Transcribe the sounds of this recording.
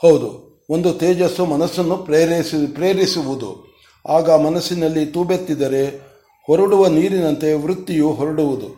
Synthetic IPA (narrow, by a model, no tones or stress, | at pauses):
hɐwd̪ṵ | o̞nd̪ut̪eːd͡ʒɐsumɐnɐsːɐnːuɾspɾeːɾisiʋud̪ṵ | aːɡɐmɐnɐsːinɐlːit̪uːbet̪ːid̪ɐɾe̞ | hɔɾɐɽuʋɐniːɾinɐnt̪e̞ʋɾut̪ːijuɦɔɾɐɽuʋud̪u